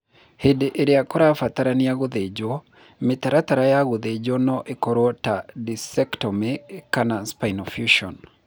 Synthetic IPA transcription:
hedeʔeɾeakoɾafataɾaniaɣoðed͡ʒo | mɪtaɾataɾajaɣoðed͡ʒonɔʔekɔɾwɔtadisɛktɔmekanaspainɔfjuʃɔn

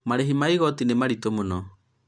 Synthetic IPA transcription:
maɾeɦimaiɣɔtinemaɾitomonɔ

